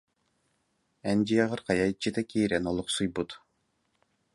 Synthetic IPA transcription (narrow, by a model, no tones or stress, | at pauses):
ɛnd͡ʑijɛʁɯɾqɑjajt͡ɕːit̪akiːɾɛnɔlˠuqsɯjbut̪